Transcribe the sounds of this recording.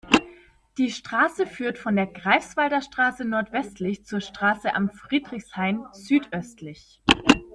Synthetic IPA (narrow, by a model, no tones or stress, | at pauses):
d̥iːʃtʁ̥aːsəfyːɐtfɔndeːɐɡʁaɪfsv̥aldɐʃtʁ̥aːsənɔɐtv̥ɛstlɪçt͡suːɐʃtʁ̥aːsəʔa̰mfʁ̥iːdʁɪçshaɪnzyːtʔœstʰlɪç